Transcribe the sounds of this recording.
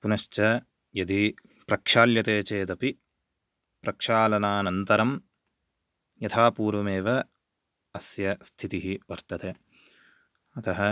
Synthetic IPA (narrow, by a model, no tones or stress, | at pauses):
punɐʃt͡ʃɐ | jɐd̪i | pɾɐkʂaːljɐt̪eːt͡ʃeːd̪ɐpi | pɾʔɐkʂaːlɐnaːnɐnt̪ɐɾɐm | jɐt̪ʰaːpuːɾʋɐmeːʋɐ | ɐsjɐst̪ʰit̪iɦiʋɐɾt̪ɐt̪e | ɐt̪ɐɦɐ